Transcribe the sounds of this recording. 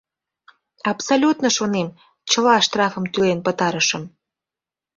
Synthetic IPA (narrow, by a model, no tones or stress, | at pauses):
ɑpsolʲut̪nəʃonem | t͡ɕə̆lɑʃt̪rɑfə̆mt̪ylenpə̆t̪ɑɾəʃə̆m